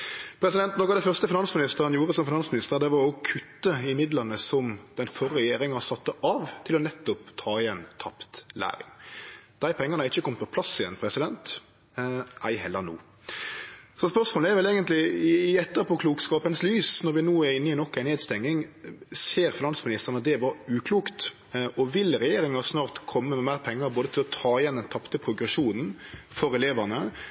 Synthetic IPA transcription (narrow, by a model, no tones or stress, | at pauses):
pʰɾɛsɪd̪ɛnt̪nɔkɑʋd̪ɛɪfœʁst̪əfɪnɑnsmɪnɪst̪əʁənjuːʁəsɔmfɪnɑnsmɪnɪst̪əd̪ɛʋɑɾɔkʰʉt̪ːəɪmɪd̪lənəsɔmd̪̥ɛnfɔʁːɛjeːɾɪŋɑsɑt̪ːəʔɑʋt̪ʰɪlɔnɛt̪ːʊpt̪ʰɑːɪɛnt̪ʰɑpt̪læ̰ːɾɪ̰ŋd̪̥æɪpʰɛŋːəʁnɑɪçːəkʰɔmt̪pʰɔ̥pʰlɑsːɪjɛ̰npʰɾɛsɪd̪ɛnt̪ | ʔæɪhɛlːəʁnṵː | sɔspœsmoːləæɾʋɛleːɡənt̪lɪɪɪɛt̪ːəʁpʰɔkʰluːkskɑːpənslyːsnɔɾʋɪnuːæɾɪnːəɪnɔkːæɪneːd̪st̪ɛŋːɪŋseːɾfɪnɑnsmɪnɪst̪əʁnɑd̪ɛʋɑɾʉːkʰluːkt̪ | ʔɔʋɪlɾɛjeːɾɪŋɑsnɑːʁt̪kʰɔmːəmɛmæːʁpʰɛŋːəɾboːd̪ət̪ʰɪlɔt̪ʰɑːɪjɛnd̪ɛnt̪ʰɑpt̪əpʰɾʊɡɾɛʃuːnn̩fɔɾɛleːʋəʁnə